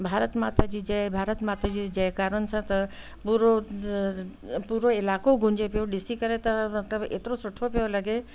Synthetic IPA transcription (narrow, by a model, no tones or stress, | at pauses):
bʱaːɾət̪maːt̪əd͡ʒid͡ʒɐbʱaːɾət̪maːt̪ɾad͡ʒid͡ʒɐjkaːɾənsə̃t̪ɐ | puːɾo | puːɾoɪlaːkoɡʱʊ̃ɲd͡ʒepijoɖɪsikɐɾet̪ɐmɐt̪ləbḛːt̪ɾosʊʈʰopejolɐɡe